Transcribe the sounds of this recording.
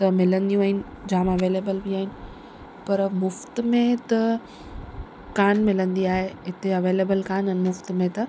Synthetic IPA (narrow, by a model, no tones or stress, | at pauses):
t̪ɐmɪlə̃nd̪ijũaːɦɪnɪ̆ | d͡ʑaːmɐʋeːleːbəlbʱiaːɦɪnɪ̆ | pɐɾmʊft̪mẽt̪ɐ | kaːnmɪlə̃nd̪iaːɦeɪt̪eɐʋeːleːbəlkaːnɛnmʊft̪mẽt̪ɐ